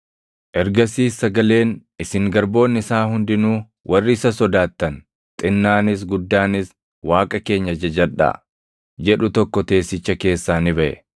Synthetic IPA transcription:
ʔɛɾɡɐsiːsːɐɡɐle̞ːnʔɪsɪŋɡɐɾbo̞ːnːɪsaːɦʊnd̪ɪnuː | wʔɐrːɪːsɐsɔd̪aːt̪ːɐn | t̪ʼɪnːaːnɪs̬ɡʊd̪ːaːnɪs | waːkʼɐke̞ːɲːɐd͡ʒɐd͡ʒɐᶑa̰ | d͡ʒɛᶑʊt̪ɔkːɔt̪e̞ːsːɪt͡ʃːɐke̞ːsːaːnɪbɐʔɛ̰

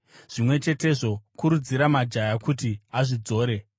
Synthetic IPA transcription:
ʐ̥imwe̞t͡ʃe̞te̞ʐo̞kuɾud͡ziɾamad͡ʒajakutiaʐid͡zo̞ːɾe̞

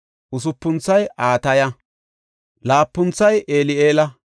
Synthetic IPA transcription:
ʔʊs̬ʊpːʊnt͡sːɐjʔaːt̪ɐjɐ | laːpːʊnt͡sːɐjʔeːlɪeːlɐ

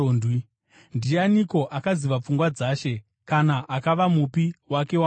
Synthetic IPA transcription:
ndwi | ndijaniko̞ʔakaziʋap͡fuŋɡwad͡zaːʃe̞ | kanaʔakaʋamupiwake̞wa

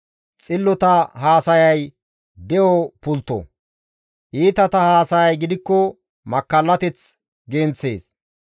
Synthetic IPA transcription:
t͡sʼɪlːɔt̪ɐɦaːsɐjɐj | d̪ɛʔɔpʊlt̪ːɔ̰ | ʔiːt̪ɐt̪ɐhaːsɐjɐjɡɪd̪ɪkːɔ | mɐkːɐlːɐt̪ɛt͡s | ɡent͡sːe̞̰ːs

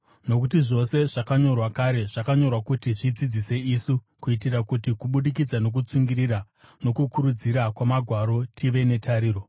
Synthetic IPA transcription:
no̞kutiʐo̞se̞ʐakaɲo̞rwakaɾe̞ʐakaɲo̞rwakutiʐid͡zid͡zise̞isu | kuitirakutikuɓuɗik̬id͡zano̞k̬ut͡suŋɡirira | no̞kukuɾud͡ziɾakwamaɡʱwaɾo̞tʰiʋe̞ne̞tʰaɾiːro̞

